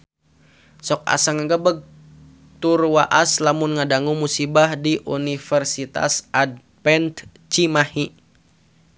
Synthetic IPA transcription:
sɔk̚a̰saŋəɡəbəɡ̚ | t̪urwaʔaslamunŋadaŋumusibahdiʔunifərsit̪a̰sʔad̚ | pɛnt̪ | t͡ʃimahi

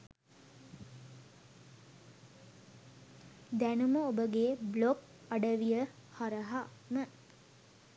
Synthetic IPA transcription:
d̪ænuməobəɡeːblok | aɖəʋijəhaɾəɦamə

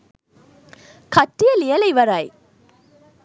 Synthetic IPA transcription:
kɐʈːɪjɐlɪjɐlɐɪʋɐɾaːj

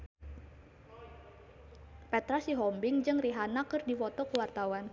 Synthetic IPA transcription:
pɛt̪ɾasiɦɔmbɪŋd͡ʒɨŋriɦanakɨrdifɔt̪ɔkuwart̪awan

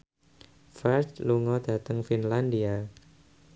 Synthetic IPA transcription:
fat͡ʃluŋɔd̥a̤t̪əŋfinlandia

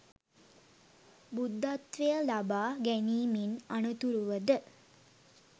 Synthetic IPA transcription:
bud̪ːat̪ʋejəlabaːɡæniːminanət̪uɾuʋəd̪ə

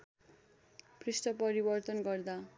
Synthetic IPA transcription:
pʰrisʈʌpʌɾibʌrt̪ʌnɡʌrd̪a

